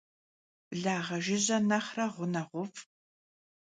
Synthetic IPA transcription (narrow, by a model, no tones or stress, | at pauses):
ɮaːʁɐʒɪʑɐnɐχrɐʁʷʊnɐʁʷʊfʼ